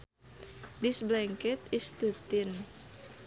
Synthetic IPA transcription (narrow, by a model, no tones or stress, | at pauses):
disblɛŋkɛt̪ist̪ut̪ɪn